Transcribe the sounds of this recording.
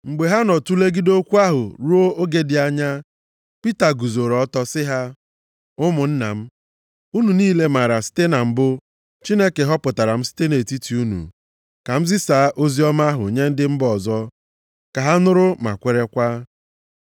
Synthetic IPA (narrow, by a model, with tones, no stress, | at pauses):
ŋ͡m̩˨ɡ͡be˨ɦa˦nɔ˨tu˦le˦ɡi˦do˦kʷu˦a˦ɦʊ˨ɾu˦o˦o˦ɡe˦dɪ˨a˦ɲa˦ | pi˦ta˨ɡu˨zo˨ɾɔ˦tɔ˦sɪ˦ɦa˦ | ʊ˦mʊ˨n̩˦na̰˨m̩˦ | u˦nu˨niː˦le˨ma˨ɾa˨si̥˦te˦na˨m̩˦bʊ˦ | t͡ʃi˦ne˦ke˨ɦɔ˦pʊ˨ta˨ɾa˨m̩˦si̥˦te˦ne˨ti˦ti˨u˦nṵ˨ | ka˨m̩˦zɪ˦saː˨˦ʔo˦zi˦ɔ˦ma˦ɦʊ˨o˨ɲe˦n̩˦dɪ˦m̩˦bɔ˨zɔ˦ | ka˨ɦa˦nʊ˦ɾʊ˦ma̰˨kʷe˨ɾe˦kʷa˦